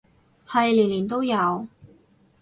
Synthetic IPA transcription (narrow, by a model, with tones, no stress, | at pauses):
hɐ˨jliː˨˩nliː˨˩nt̪o˥wjɐ˨˧w